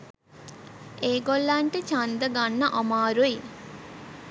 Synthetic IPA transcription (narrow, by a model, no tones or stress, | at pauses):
ʔeːɡolːaɳʈet͡ʃand̪ɐɡanːɐʔomaːɾui